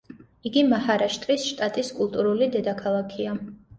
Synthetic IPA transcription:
iɡimahaɾaʃt̪ʼɾisʃt̪ʼat̪ʼiskʼulˠt̪ʼuɾulid̪ɛd̪akʰalˠakʰia

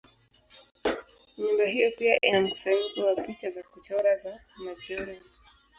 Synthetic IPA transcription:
ɲimbaɦijɔpiaʔinam̩ku̥saiɗiwapit͡ʃazakut͡ʃɔɾazamad͡ʒɔɾia

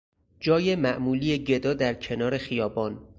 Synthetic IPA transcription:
d͡ʒɒːjemæʔmuːliːjeɟe̞d̪ɒːd̪æɾcʰe̞nɒːɾe̞xijɒːbɒːn

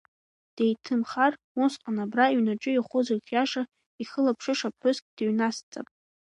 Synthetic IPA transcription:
d̥ejtʰɨmχar | usqʼanabraiɥnaʈ͡ʂʼʊiχʷʊzarχʲjaʂa | iχəlapʰʂɨʂapʰɨskʼd̥eɥnast͡sʼa̰pʼ

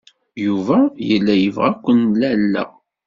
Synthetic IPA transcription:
juvæjəlːæjəvʁækʷːənlælːæ̰

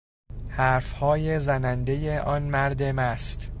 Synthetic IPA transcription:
hæːɾfhɒːje̞zænænd̪e̞jeʔɒːnmæɾd̪emæst̪

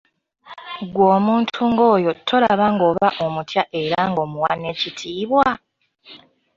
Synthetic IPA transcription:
ɡwoːmuːntʰuŋɡo̞ːjo̞tʰːo̞laβaŋɡo̞βaʔo̞mutʰjaʔe̞ɾaŋɡo̞ːmuwanːe̞citʰiːβwa

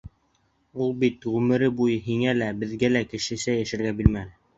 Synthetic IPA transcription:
ulˠbit̪ʁʉmɘ̆ɾɘbujɤɦiŋælæbɘ̆ðɡælækɘ̆ʃɘ̆sæjæʃɘ̆ɾɡæbilmænɘ

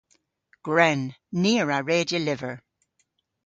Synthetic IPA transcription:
ɡ̥ɹɛnːiːəɹaɹeːdjəlɪvə˞

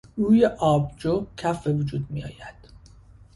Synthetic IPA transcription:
uːjeʔɒːbd͡ʒocʰæfbevud͡ʒuːd̪̚mijɒ̰ːjæd̪̥

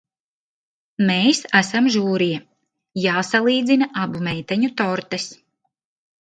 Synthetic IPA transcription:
meːjsæsamʒuːɾija | jaːsalˠiːd̪zinaʔabumɛjt̪aɲut̪ɔɾt̪ɛs

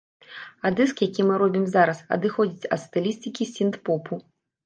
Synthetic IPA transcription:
ad̪ɨskjakʲimɨɾɔbʲimzaɾɐsɐ̰d̪ɨxɔd͡zʲit͡sʲɐ̰t̪st̪ɨlʲisʲt̪ʲɨkʲisʲint̪pɔpʰu

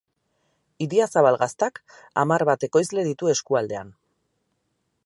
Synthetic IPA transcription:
iðiasaβalɣast̪ak | a̰maɾβat̪e̞ko̞jzle̞ðit̪ue̞skuald̪e̞an

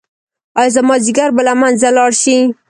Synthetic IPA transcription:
ɑjzamɑziɡaɾbəlamanzalɑɽʃi

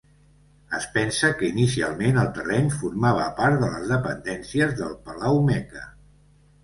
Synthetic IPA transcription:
əspɛnsəkəinisia̰lˠmenəlˠt̪ərɛnfuɾmaβ̞ə̰paɾt̪ðələzðəpənd̪ɛnsiəzðəlˠpəlawmɛkə

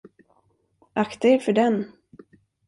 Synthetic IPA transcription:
ʔakt̪aɛɾfœɖɛn

